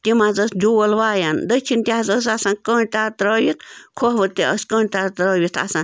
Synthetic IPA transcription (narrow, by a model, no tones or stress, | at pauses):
t̪imazəsd͡ʒuwɐlʋaːjand̪ət͡ʃʰint̪ʲazəs̬asãnkəɳʲt̪at̪ɾəːjit̪kʰoɦʋɨt̪eəskəɳʲt̪at̪ɾəːʋʲit̪ʰa̰sãn